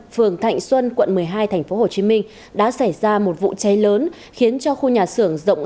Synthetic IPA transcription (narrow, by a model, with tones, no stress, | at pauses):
fɨ˨˩əŋt̪ʰa̰˧˨jŋ̟swə˧nkwə̰˧˨nmɨ˨˩əjɦaː˧jt̪ʰɛ˨˩ŋ̟fo˨˦ɦo˨˩t͡ɕi˨˦mï˧ŋ̟ | ɗa̰ː˧˥sa˧˩jzaː˧mo˨˩t̚vṵ˧˨t͡ɕə˨˦jləː˨˦n | xi˨˦ənt͡ɕɔ˧xu˧ɲaː˨˩sɨ˧˩əŋzə̰˧˨wŋ͡mʔ